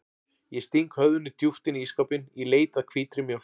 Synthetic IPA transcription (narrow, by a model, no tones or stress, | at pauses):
jɛst̪iŋkhœððʏnːɪt̪juft̪ɪniiskawpɪnileːjt̪aðkʰv̥iːt̪ɾɪmjœw